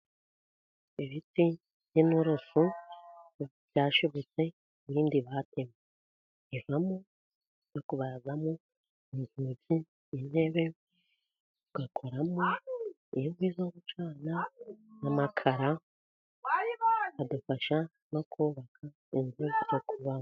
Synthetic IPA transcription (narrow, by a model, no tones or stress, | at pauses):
iβiti | jinuɾosu | vjaːʃuβot͡se̞ | βiːndiβate̞me | ivamo | jokuβaɾazamo | nihuzi | inhe̞βe | ɡakʰoɾamo | ijoɡwiːzoβut͡ʃaːnanamakʰaɾa | adufaʃa | no̞kʰuːβakʰa | inzeɡuzokʰuβa